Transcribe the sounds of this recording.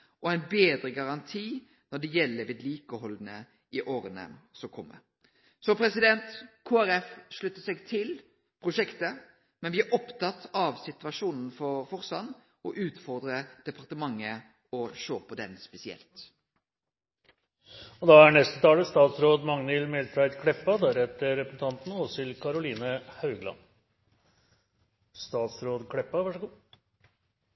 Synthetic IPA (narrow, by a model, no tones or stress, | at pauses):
ɔæɪnbeːd̪ɾəɡɑʁɑnt̪ʰiː | nɔɖɛjɛlːəʋeːd̪liːkəhɔlnə | ɪʔoːɾənə̰sɔkʰɔmːə̰ | sɔpʰɾɛsɪd̪ɛnt̪kʰoːæɾɛfʂɭʉt̪ːəsɛɡt̪ʰɪl | pʰɾʊʂɛkt̪ə | mɛnʋɪæɾʔɔpt̪ɑt̪ːɑʋsɪt̪ʋɑʂuːnn̩fɔɾfɔʁsɑ̰n | ɔʔʉːt̪fɔɾd̪ɾəd̪̥ɛpʰɑʁt̪əmɑŋːə | ɔʃoːpɔd̪ɛ̰nspɛsɪɛ̰lt̪ | ɔd̪ɑæɳɛst̪ət̪ʰɑːləst̪ɑːt̪sɾoːd̪mɑŋnɪlmɛltɾɑɪd̪kʰɽɛpːɑd̪ɑɾɛt̪ːəɾɛpəsn̩t̪ʰɑnt̪n̩əɔsɪlkʰɑɾʊliːnəhɑʉɡlɑ̰n | st̪ɑːt̪sɾoːd̪kʰɽɛpːɑʋæʂəɡuː